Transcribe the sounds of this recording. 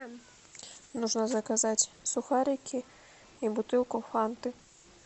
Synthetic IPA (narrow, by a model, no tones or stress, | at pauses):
m | nuʐnɐzɐkazatʲsʊxaɾʲɪkʲʰi | ibʊt̪ɨlˠkʊfant̪ɨ